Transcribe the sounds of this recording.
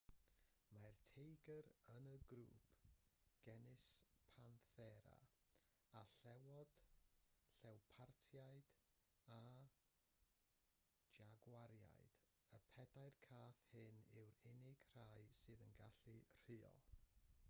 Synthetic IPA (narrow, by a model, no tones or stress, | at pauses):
martʰejɡəɾənəɡɾṵːpʰɡ̥ɛnɪspʰanθɛɾa̰ | aɬɛwɔd̥ | ɬɛwpʰartʰjaɨd̥ | a | d͡ʒaɡwaɾja̰ɨd̥ | əpʰɛdaɨrkʰaːθhɨnɪwɾɪnɪɡ̥r̥ajsɨːðənɡaɬɨr̥ɨːɔ̰